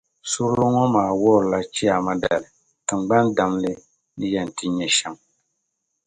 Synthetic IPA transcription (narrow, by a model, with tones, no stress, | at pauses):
sʊ˦ɾlo˦ŋɔ˦maː˨wɔ˦˨ɾla˦t͡ʃi˦a˨ma˦da̰˨lɪ˨ | tɨ˨mɡ͡ba˦nda˨mlɨ˦ | nɨ˦jɛ˨n˨tɨ˦ɲɛ˨ʃɛ˦m